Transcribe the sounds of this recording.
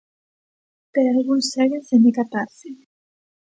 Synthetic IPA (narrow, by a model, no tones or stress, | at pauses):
peɾalɣunsɛɣensend̪ikat̪aɾse